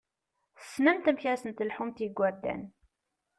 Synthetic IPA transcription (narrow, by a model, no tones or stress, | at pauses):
θə̥snæmt̪əmçæsənt̪əlħumt̪iɡʷːæɾd̪ːæ̰n